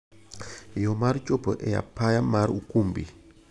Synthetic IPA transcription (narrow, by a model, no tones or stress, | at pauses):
jɔmaɾt͡ʃopə̰ʔɛja̰pajamaɾukumbḭ